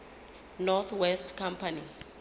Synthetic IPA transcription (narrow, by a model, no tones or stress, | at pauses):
nɔθʰwɛstʰkʰãmpʰani